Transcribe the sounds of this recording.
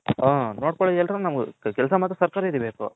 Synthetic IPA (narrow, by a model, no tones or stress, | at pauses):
aːnoːɽkoɭod̪ɛlɾɐnunɐmɡṵkɛlsɐmaːt̪ɾɐsɐɾkaːɾɐid̪ibeːkṵ